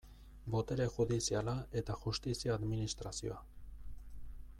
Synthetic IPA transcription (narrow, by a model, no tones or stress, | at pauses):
bo̞t̪eɾe̞xuðisialaʔe̞t̪axust̪isiaːðminist̪ɾasio̰a